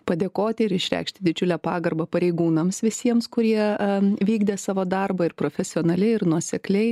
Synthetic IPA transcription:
pɐd̪ʲeːkoːt̪ʲɪɪɾɪʃʲɾʲæ̰ɪkʃʲt̪ʲɪd̪ʲɪd͡ʒʲʊlʲæːpɑːɡɐɾbɐpɐɾʲɛɪɡuːnɐmsʋʲɪsʲiɛmskʊɾʲiɛʋʲiːɡd̪ʲeːsɑːʋoːd̪ɐrbɐɪɾpɾoːfʲɛsʲɪoːnɐlʲɪɪɾnuɔsʲɛklʲɛɪ

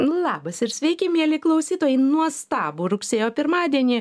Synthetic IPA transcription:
ʊlˠɑːbɐsɪɾsʲʋʲɛɪkʲɪmʲiɛlʲɪklˠɐʊsʲiːt̪oːjɛɪnuɔst̪ɑːbuːɾʊksʲeːjoːpʲɪɾmɑːd̪ʲiɛnʲiː

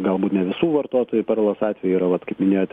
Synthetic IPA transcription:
ɡɐlˠbuːt̪nʲɛʋʲɪsuːʋɐrt̪oːt̪oːjupʲɛrlˠɐsɑːt̪ʲʋʲɛjuiɾɐʋɐt̪kɐɪpmʲɪnʲeːjoːt̪ʲ

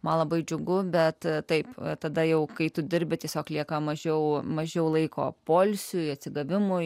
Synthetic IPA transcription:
mɐnlˠɐbɐɪd͡ʒʲʊɡʊbʲɛt̪t̪ɐɪpt̪ɐd̪ɐjɛʊkɐɪt̪ʊd̪ʲɪɾʲbʲɪt̪ʲiɛsʲoːklʲiɛkɐmɐʒʲɛʊmɐʒʲɛʊlˠɐɪko̰ːpoːlʲsʲʊɐt̪ʲsʲɪɡɐʋʲɪmʊ

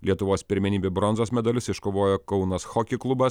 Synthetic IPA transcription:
lʲiɛt̪ʊʋoːspʲɪɾʲmʲɛnʲiːbʲebɾɔnzoːsmʲɛd̪ɐlʲʊsɪʃkoːʋoːjokɒʊnɐsxɔkʲɪklˠʊbɐs

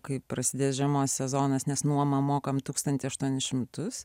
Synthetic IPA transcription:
kɐɪpɾɐsʲɪd̪ʲeːsʒʲɛmoːsʲsʲɛzoːnɐsnʲɛsnuɔmɐmoːkɐmt̪uːkst̪ɐnʲt̪ʲɪsɐʃt̪uɔnʲɪsʃʲɪmt̪ʊs

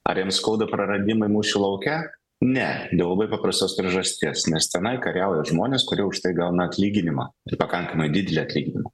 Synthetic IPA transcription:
ɐ̰ɾjɛmskɐʊd̪ɐpɾɐɾɐd̪ʲɪmɐɪmuːsulˠɐʊkʲɛ | nʲɛd̪ʲɛʊlˠɐbɐɪpɑpɾɐst̪oːspʲɾʲiɛʒɐsʲt̪ʲiɛsnʲɛst̪ʲɛnɐɪkɐɾʲɛʊjɛʒmoːnʲeːskʊɾʲiɛʊʃt̪ɐɪɡɐlˠnɐɐt̪ʲlʲiːɡʲɪnʲɪmɑ̰ːɪrpɐkɐŋkɐmɐɪdʲɪd̪ʲɛlʲiɐt̪ʲlʲiːɡʲɪnʲɪmɐ

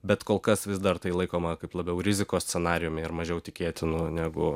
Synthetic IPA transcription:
bʲɛt̪koːlˠkɐsʋʲɪsd̪ɐrt̪ɐɪlˠɐɪkoːmɐkɐɪplˠɐbʲɛʊɾʲɪzʲɪkoːsʲt͡sʲɛnɑːɾʲɪjʊmʲɪɪɾmɐʒʲɛʊt̪ʲɪkʲeːt̪ʲɪnʊnʲæːɡʊ

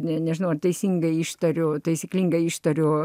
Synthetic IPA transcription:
nʲɛnʲɛʒʲɪnɐʊɐrt̪ɐɪsʲiŋɡɐɪiːʃt̪ɐɾʲʊt̪ɐɪsʲɪklʲiːŋɡɐɪiːʃt̪ɐɾʲoː

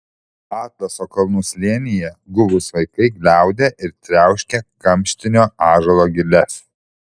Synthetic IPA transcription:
ɑːt̪lʲˠɐsoːkɐlˠnuːslʲiɛnʲɪjɛɡʊʋʊsʋɐɪkɐɪɡlʲæˑʊd̪ʲeʔɪɾt̪ʲɾʲæˑʊʃʲkʲɛkɐmʲʃʲt̪ʲɪnʲoːɑːʒɐlˠoːɡʲɪlʲɛs

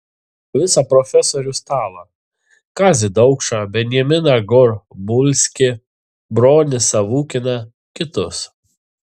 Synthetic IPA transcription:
ʋʲɪsɐpɾɔfʲɛsɔːɾʲʊst̪ɑːʋɐ | kɑːzʲɪd̪ɒʊkʃɑbʲɛnʲjɛmʲɪnɑɡʊɾbʊlʲsʲkʲɪ | bɾoːnʲɪsɐʋuːkʲɪnɐ | kʲɪt̪ʊs

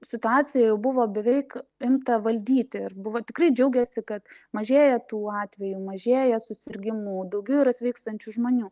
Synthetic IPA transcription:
sʲɪt̪ʊɑːt͡s̪ʲɪjɛjɛʊbʊʋoːbʲɛʋʲɛɪkɪmt̪ɐʋɐlʲd̪ʲiːt̪ʲɪɪrbʊʋoːt̪ʲɪkɾrɐɪd͡ʒʲɛʊɡʲɛsʲɪkɐt̪mɐʒʲeːjɛt̪uːɑːt̪ʲʋʲɛjumɐʒʲeːjɛsʊsʲɪɾʲɡʲɪmuːd̪ɐʊɡʲɛʊɪɾɐsʲʋʲɛɪkst̪ɐnʲt͡ʃʲuʒmoːnʲuː

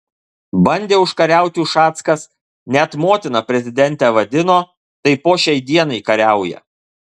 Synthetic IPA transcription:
bɐnʲd̪ʲeːʊʃkɐɾʲæˑʊt̪ʲuːʃɑːt̪skɐs | nʲɛt̪moːt̪ʲɪnɐpʲɾʲɛzʲɪd̪ʲɛnʲt̪ʲɛʋɐd̪ʲɪnoː | t̪ɐɪpoːʃʲɛɪd̪ʲiɛnɐɪkɐɾʲæˑʊjɛ̰

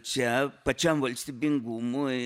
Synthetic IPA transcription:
t͡ʃapat͡ʃambalt͡ʃt̪ibiŋɡumui

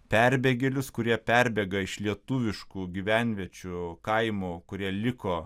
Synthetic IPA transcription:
pʲæɾʲbʲeːɡʲelʲʊskʊɾʲiɛpʲæɾʲbʲɛːɡɐɪʃlʲiɛt̪ʊʋʲɪʃkuːɡʲiʋʲæˑnʲʋʲiɛt͡ʃʲukɐɪmukʊɾʲiɛlʲɪkoː

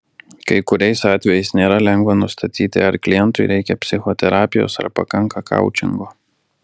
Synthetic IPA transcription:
kɐɪkʊɾʲɛɪsɑːt̪ʲʋʲɛjɛɪsnʲeːɾɐlʲɛŋɡʋɐnʊst̪ʰɐt̪ʲiːt̪ʲɪ̰ɐɾklʲɪjɛnt̪ʊɪɾʲɛɪkʲɛpʲsʲɪxoːt̪ʲɛɾɑːpʲɪjo̰ːsɐ̰ɾpɐ̰kɐŋkɐkʰɐ̰ˑʊt͡ʃʲɪ̰ŋɡoː

